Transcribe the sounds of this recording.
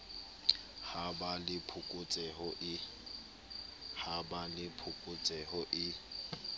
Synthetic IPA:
habalɪpʰʊkʼʊt͡sʼɛhʊʔɪ | habalɪpʰʊkʼʊt͡sʼɛhʊʔɪ

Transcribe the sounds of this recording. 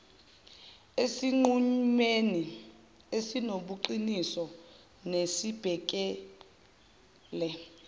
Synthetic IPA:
esiŋ͡ǃuɲmeni | esinoɓuǃinisɔ | nesib̥ʱɛk̬ʼɛ | lɛ

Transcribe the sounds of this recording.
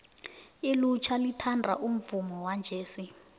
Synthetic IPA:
elut͡ʃʰalitʰandʱaʔum̩vumɔwand͡ʒʱeːsi

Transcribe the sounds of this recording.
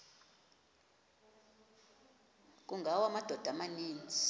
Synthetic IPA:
k̬ʼuŋɡʱawamad̥ʱɔd̥ʱamaniːnd͡zʱi̥

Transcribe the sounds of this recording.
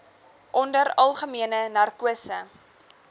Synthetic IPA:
ʔɔndəɾɐlˠχəmiənənɐrkuəsə

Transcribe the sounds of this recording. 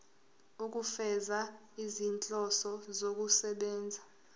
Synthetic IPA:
uk̬ʼufɛza | izint͡ɬʼɔsɔzok̬ʼusɛɓɛːnd͡zʱa

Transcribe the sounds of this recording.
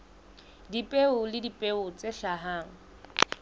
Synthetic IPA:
dipʼeʊlɪdipʼeʊt͡sʼeʃaɦaːŋ̩

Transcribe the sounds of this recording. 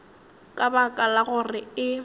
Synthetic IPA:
kʼabakʼalaɣʊrɪɪ

